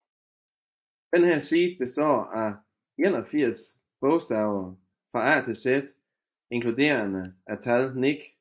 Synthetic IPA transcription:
d̥enhæɐ̰siːd̥b̥e̝sd̥ɒ̰ːæ | enɒfiɐ̰s | b̥ɔʊsd̥æʊɐ | fʁɑ̈æt͡sʰe̝sed̥ | e̝ŋkʰlud̥e̝̰ːɐnəæt͡sʰælniɡ̥

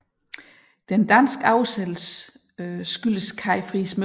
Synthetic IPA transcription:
d̥end̥æn̰sɡ̥ɑ̈ʊsed̥l̩s | sɡ̥yl̰əskʰɑ̈ɪfʁism

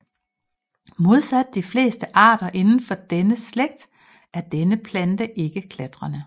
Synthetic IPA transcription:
mo̝ð̞ˠsæd̥̚ːifle̝̰ːsd̥əʔɑ̰̈ːɾ̥ɐʔe̝nn̩fɒd̥enəsleɡ̥̚d̥ | æɐd̥enəpʰlænd̥əʔe̝ɡ̥əkʰlæd̥ʁɐnə

